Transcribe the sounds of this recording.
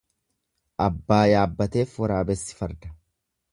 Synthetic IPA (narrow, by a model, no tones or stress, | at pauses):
ʔɐbːaːjaːbːɐt̪e̞ːfwɐɾaːbɛsːɪ̥fɐɾd̪ɐ̥